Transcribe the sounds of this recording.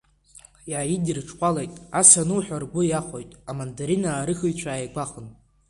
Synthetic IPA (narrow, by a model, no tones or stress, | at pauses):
jaːjidirʈ͡ʂʰʼqʷʼalajtʼasanɨwħʷᶣarɡʷʊjaχʷojtʼamandaɾinaːɾɨχɨjt͡ɕʷʰaːjaɡʷaχən